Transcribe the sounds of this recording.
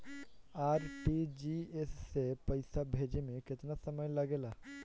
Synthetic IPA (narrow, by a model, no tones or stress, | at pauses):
aɾʈid͡ʑiessepəjsabʱed͡ʑimeket̪nasəməjlaɡela